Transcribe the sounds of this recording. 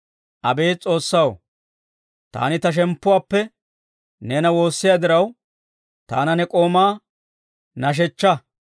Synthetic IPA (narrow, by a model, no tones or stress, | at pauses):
ʔɐbe̞ːt͡sʼo̞ːsːɐw̰ | t̪a̰ːnɪt̪ɐʃ̬ɛmpːʊwaːpːɛ | nɛːnɐwo̞ːsːɪjaːd̪ɪɾɐw | t̪a̰ːnɐnɛkʼo̞ːmaː | nɐʃ̬ɛt͡ʃːɐ